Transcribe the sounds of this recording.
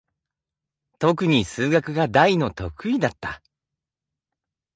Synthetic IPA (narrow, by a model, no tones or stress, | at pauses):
t̪o̞k̬ɯ̟ɲ̟isɨːɡakɯ̟ɡad̪aino̞t̪o̞kɯ̟id̪at̪ːa